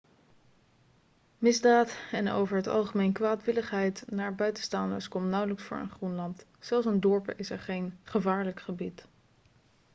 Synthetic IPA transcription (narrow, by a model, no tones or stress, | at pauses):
mɪzdaːtɛno̰wvəɹɦətɑ̰lˠχəmejnkʋaːtʋɪləχɦɛjtnaːɹbœɥtə̥stɑndə̰ɹskɔmtnɑwləksfʊ̰ːɹə̰nχrunlɑnt | sɛlˠsəndɔɹpə̰ʔɪsɛɹχejnχəvaːɹləkχəbit